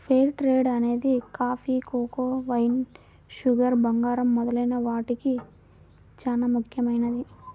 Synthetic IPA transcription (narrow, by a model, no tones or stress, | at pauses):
pʰeːɾʈɾeːɖɐne̞ːd̪ikaːpʰikoːkoːʋɐjn | ʃuɡɐɾbɐŋɡaːɾɐmːɔd̪ɐlɐjnɐʋaːʈiki | t͡ʃaːnaːmukʰjɐmɐjnɐd̪i